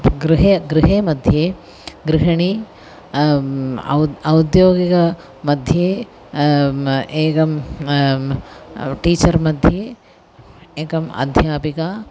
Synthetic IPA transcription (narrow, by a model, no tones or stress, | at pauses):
ɡɾɪɦeɡɾɪɦeːmɐd̪ʱjeː | ɡɾɪɦɐɳi | ɐwd̪joːɡikɐ | mɐd̪ʱjeː | eːkɐm | ʈiːt͡ʃɐɾmɐd̪ʱjeː | eːkɐmɐ̰d̪ʱjaːpikaː